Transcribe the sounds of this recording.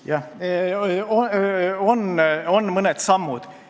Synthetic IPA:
jɑ | oononːmɤned̪̥sɑmːud̪̥

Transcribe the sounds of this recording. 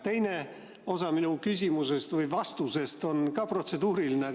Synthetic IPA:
t̪e̞jne̞ | o̞sɑminukysʲimuse̞st̪vɯjvɑst̪use̞st̪o̞nkɑpro̞t̪se̞d̪uːɾiline

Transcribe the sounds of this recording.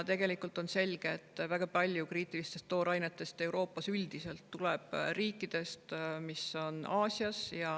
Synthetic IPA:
t̪e̞ɡ̥e̞likˑult̪o̞nse̞lʲɡ̥e̞ːt̪ːˑvæɡ̥ɑpɑlʲjukriːt̪ːˑilist̪e̞st̪ːo̞ːɾɑjnet̪ːˑe̞st̪e̞wɾo̞ːpːˑɑsyld̪ise̞lt̪ːuleb̥riːkːˑid̪̥e̞st̪miso̞nɑːsiɑsjɑ

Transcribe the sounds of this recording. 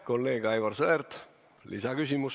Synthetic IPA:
kolːe̞ːɡ̥ɑjvɑrseert̪ | lḭsɑkysʲimus

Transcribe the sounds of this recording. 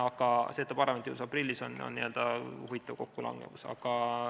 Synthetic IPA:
ɑɡ̥ɑse̞ːt̪ːɑpɑrɑment̪iuusɑprilʲːisono̰nːiø̞ld̪̥ɑhuvit̪ːˑɑvko̞kːulɑ̰ŋɡ̥emusɑ̰ɡ̥ɑ

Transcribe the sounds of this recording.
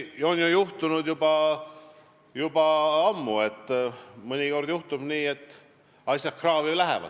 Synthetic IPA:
o̞nʲjujuht̪unud̪jubɑ | jub̥ɑɑmːue̞t̪ːˑmɤnʲiko̞rd̪̥juht̪ub̥niːe̞t̪ː | ɑsʲjɑt̪̚krɑːvilæɦɛ̰vɑ̰d̪̥

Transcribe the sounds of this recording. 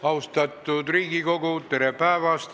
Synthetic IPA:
ɑwst̪ɑt̪ːˑud̪riːɡiko̞ɡut̪e̞ɾepæevɑst̪

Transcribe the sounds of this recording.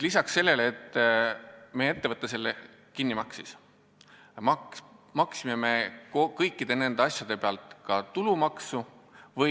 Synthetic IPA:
lisɑksːe̞lːe̞leːt̪ːˑ | meːe̞t̪ːe̞vɤt̪ːˑɑse̞lːe | kinːimɑksis | mɑmɑksime̞me̞kokɤjkːˑid̪̥e̞ne̞nd̪eɑsjɑd̪̥e̞peɑlt̪ˑkɑt̪ulumɑksuvɤ

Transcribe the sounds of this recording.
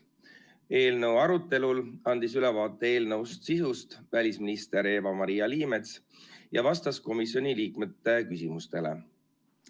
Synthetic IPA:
e̞ːlnɤ̞wɑɾut̪ːˑe̞lulɑnd̪̥isylɛvɑːt̪ːˑee̞ːlnɤust̪sisust̪vælʲisminist̪e̞ɾe̞ːvɑmɑɾijɑliːme̞t̪s | jɑvɑst̪ɑsko̞misjo̞nʲiliːkme̞t̪ːe̞kysimust̪e̞lḛ

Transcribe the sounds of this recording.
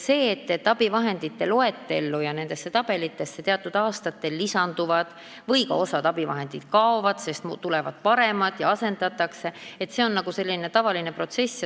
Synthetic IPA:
se̞ːt̪ːet̪ːɑb̥ivɑɦe̞nd̪̥it̪ːe̞lo̞e̞t̪ːˑe̞lːujɑne̞nd̪̥e̞sːe̞t̪ɑb̥e̞lit̪ːˑe̞sːet̪eɑt̪ːˑud̪̥ɑːst̪ɑt̪ːe̞lːisɑnd̪̥uvɑd̪̥ | vɤjkɑ̰o̞sɑt̪ɑb̥ivɑ̰ɦe̞nd̪̥id̪̥kɑovɑd̪̥se̞st̪mut̪ulɛvɑd̪̥̚pɑɾe̞mɑt̪ːˑjɑɑse̞nd̪̥ɑt̪ːˑɑkse̞et̪ːse̞o̞nːɑɡuse̞lːine̞t̪ɑvɑline̞pro̞t̪se̞sː

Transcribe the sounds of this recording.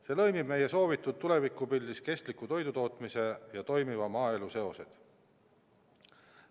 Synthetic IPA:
se̞ːlɤ̞jmib̥me̞je̞so̞ːvit̪ːˑud̪̥̚t̪ule̞vikːˑupilʲːiske̞st̪likːˑut̪o̞jd̪ut̪o̞ːt̪ˑmise̞jɑt̪o̞jmivɑmɑːe̞luse̞o̞se̞d̪̥

